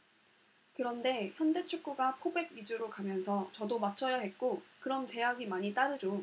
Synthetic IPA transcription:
kɯɾʌnde̞çjʌnde̞t͡ɕʰuk͈uɡapʰobe̞ɡ̚id͡ʑuɾokamjʌnsʰʌt͡ɕʌdomat͡ɕʰʌjaɦe̞t̚k͈okɯɾʌmt͡ɕe̞ɦaɡimaɲit͈aɾɯɾo

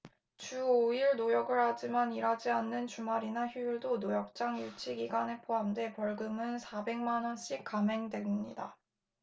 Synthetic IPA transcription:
t͡ɕuoiɭnojʌɡɯɭhad͡ʑimaniɾad͡ʑianːɯnt͡ɕumaɾinaçjujiɭdonojʌk̚t͡ɕ͈aŋjut͡ɕʰiɡiɡwane̞pʰoɦamde̞pʌɭɡɯmɯnsʰabe̞ŋmanʌnɕ͈ʰik͈amɦe̞ŋdwe̞mɲḭda

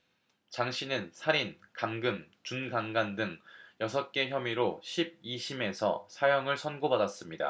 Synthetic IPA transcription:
t͡ɕaŋɕʰinɯnsʰaɾinkaŋɡɯmt͡ɕunɡaŋɡandɯŋjʌsʰʌk̚k͈e̞çjʌmiɾoɕʰib̚iɕʰime̞sʰʌ̰sʰajʌŋɯɭsʰʌnɡobadas͈ɯmɲida̰

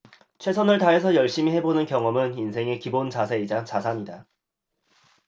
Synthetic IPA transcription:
t͡ɕʰwe̞sʰʌnɯɭtaɦe̞s̬ʰʌjʌɭɕ͈imiɦe̞bonɯnkjʌŋʌmɯninsʰe̞ŋe̞kibont͡ɕasʰeid͡ʑat͡ɕasʰaɲida

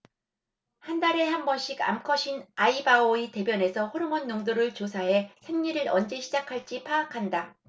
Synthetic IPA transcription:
handaɾe̞hambʌnɕ͈ʰiɡa̰mkʰʌɕʰinaibaoite̞bjʌne̞sʰʌɸoɾɯmʌnːoŋdoɾɯɭt͡ɕosʰaɦe̞sʰemɲiɾɯɾʌnd͡ʑe̞ɕʰid͡ʑakʰaɭt͡ɕ͈ipʰaakʰanda

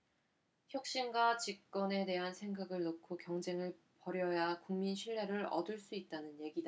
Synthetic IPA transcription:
çjʌk̚ɕ͈imɡwat͡ɕik̚k͈ʌne̞te̞ɦansʰe̞ŋɡaɡɯɭnokʰokjʌŋd͡ʑe̞ŋɯɭ | pʌɾjʌjakuŋminɕʰiɭːe̞ɾɯɾʌ̰dɯɭs͈uit̚t͈anɯnje̞ɡida

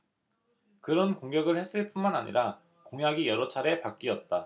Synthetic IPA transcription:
kɯɾʌnkoŋɡjʌɡɯɭhe̞s͈ɯɭp͈unmanaɲḭɾʔa | koŋɦjaɡijʌɾʌt͡ɕʰaɾe̞pak̚k͈iʌt̚t͈a

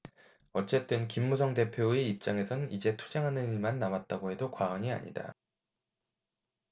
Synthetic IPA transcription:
ʌt͡ɕ͈e̞t͈ɯnkimːusʰʌŋde̞pʰjoeip̚t͡ɕ͈aŋe̞sʰʌnɯnid͡ʑe̞tʰu̥d͡ʑeŋɦanɯniɭmanːamat̚t͈aɡoɦe̞dokwaʌɲia̰ɲḭda̰

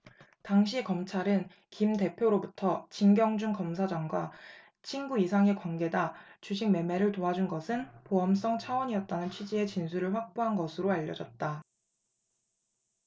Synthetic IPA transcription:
taŋɕ̬ʰikʌmt͡ɕʰaɾɯn | kimte̞pʰjoɾobutʰʌt͡ɕinɡjʌŋd͡ʑuŋkʌms̬ʰad͡ʑaŋɡwa | t͡ɕʰinɡuisʰaŋe̞kwanɡe̞dat͡ɕuɕ̬ʰiŋ̚me̞me̞ɾɯɭtoɦad͡ʑunɡʌsʰɯnpoʌms͈ʌŋt͡ɕʰawʌɲiʌt̚t͈anɯnt͡ɕʰwid͡ʑie̞t͡ɕinsʰuɾɯɭɸwak̚p͈oɦanɡʌsʰɯɾoaʎːʌd͡ʑʌt̚t͈a

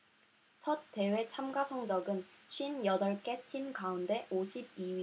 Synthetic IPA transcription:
t͡ɕʰʌt̚t͈e̞we̞t͡ɕʰamɡasʰʌŋd͡ʑʌɡɯnɕʰɥinjʌdʌɭk͈e̞tʰimkaunde̞ʔoɕʰib̚iɥi

